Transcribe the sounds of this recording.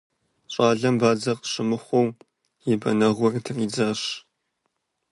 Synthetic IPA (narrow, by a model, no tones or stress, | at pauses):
ɕʼaːɮɐmbaːd͡zɐqʼɕɪmɨχʷɔw | jɪbɐnɐʁʷɔrtʰɨriːd͡zaɕ